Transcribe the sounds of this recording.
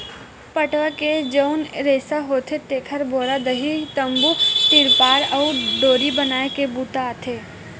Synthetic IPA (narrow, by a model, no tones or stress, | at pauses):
pəʈʋaked͡ʒəʊnɾeːsaɦoːt̪ʰet̪eːkʰəɾboːɾad̪ɐɦit̪ə̃mbut̪ɪɾpaːɾɔːɖoːɾibɐnaːekebuːt̪aːt̪ʰeː